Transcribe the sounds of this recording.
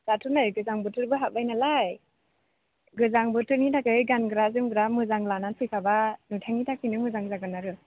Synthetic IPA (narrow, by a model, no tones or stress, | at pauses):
zatʰunaɾɯɡɯzaŋbɯtɯɾbɯɦabajnalaj | ɡɯzaŋbɯtɯɾnitʰakɯɯɡanɡɯɾazɯmɡɯɾamɯzaŋlananpʰɯjkʰabanɯtʰaŋitʰakʰinɯmɯzaŋzaɡɯnaɾɯ